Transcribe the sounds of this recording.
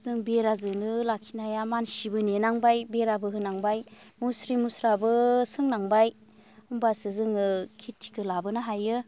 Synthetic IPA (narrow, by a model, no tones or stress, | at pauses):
zɯŋbeɾazɯnɯlakʰinajamansibɯnenaŋbajbeɾabɯɦɯnaŋbajmusɾimusɾabɯsɯŋnaŋbaj | umbasɯzɯŋɯkʰitʰːi̥kʰɯlabɯnaɦajɯ